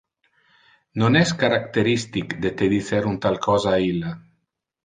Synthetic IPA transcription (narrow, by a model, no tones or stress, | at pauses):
nonɛskaɾakt̪eɾist̪ikd̪et̪eðiθeɾunt̪alkʰɔzaːila